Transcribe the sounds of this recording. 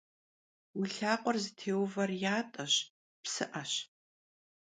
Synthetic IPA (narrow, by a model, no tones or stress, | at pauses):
wiɬaːqʷɔrzɨtʰeːwvɐrjaːtʼɐɕ | psɨʔɐɕ